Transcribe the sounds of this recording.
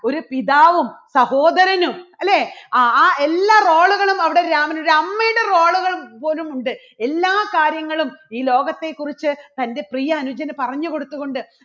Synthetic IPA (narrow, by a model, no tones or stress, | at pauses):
o̞ɾupiðaːʋumsɐho̞ːd̪ɐɾɐnumɐlːeːaːelːaːro̞ːɭuɣɐɭumɐʋiɽe̞ɾaːmɐnoɽeɐmːɐjɽero̞ːɭuɣɐɭumpo̞ːlumuɳɖɨ | e̞lːaːkaːɾjɐŋːɐɭumiːlo̞ːɡɐt̪ːe̞kːurit͡ɕːɨt̪ɐnde̞prijɐːnud͡ʑɐnɐpɐrɐɲːuko̞ɽut̪ːuɣo̞ɳɖɨ